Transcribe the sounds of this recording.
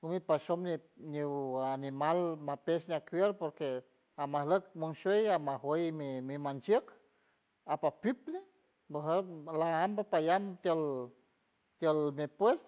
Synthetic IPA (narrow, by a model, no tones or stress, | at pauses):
umipaʃomni | nianimalmapeʃniakwjeɾpoɾke | amahləkmuŋʃejamaɦwəjmimimant͡ʃjək | apapjupne | baɦəlaambapajamt̪əl | t̪jəlmipwes